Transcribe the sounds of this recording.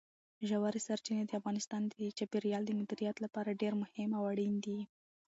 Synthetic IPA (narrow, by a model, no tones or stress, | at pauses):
ʒawaɾesaɾt͡ʃined̪əafɣɑnɪst̪ɑnd̪ət͡ʃapeɾijɑld̪əmʊd̪iɾijat̪lapɑɾaɖeɾmʊhɪmawaɽind̪i